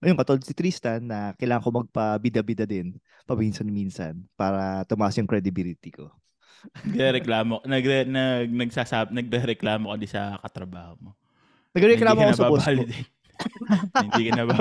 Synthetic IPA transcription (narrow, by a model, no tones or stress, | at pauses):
ʔɐjoŋkɐt̪oold̪sɪt̪ɾist̪ɐnːɐkɐjlaːŋɐŋkomɐɡ̚pɐbid̪ɐbɪd̪ɐd̪ɪn | pɐmiːnsɐnmiːnsɐ̰npaːɾɐt̪ʊmɐʔasjʊŋkɾɛd̪ɪbilɪt̪ɪko̞̰ | nɐɡɾɛɾɛklaːmonɐɡɛnɐɡ̚nɐɡsasabnɐɡ̚ɾɛɾɛklaːmokɐd̪ɪsɐkɐt̪ɾɐbaːhomo | nɐɡɛɾɛnklaːmokkoɐsɐbaobɐald̪ɪn | ɪniːkɐnɐba